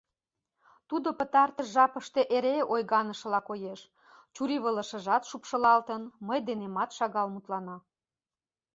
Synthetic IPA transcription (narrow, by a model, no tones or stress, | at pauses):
t̪ud̪opə̆t̪ɑrt̪əʃʒɑpəʃt̪e̽ʔeɾeojɣɑnəʃ̆lɑkojeʃ | t͡ɕuɾiβələ̆ʃə̆ʒɑt̪ʃupʃə̆lɑlt̪ənməjd̪enemɑt̪ʃɑɣɑlmut̪lɑnɑ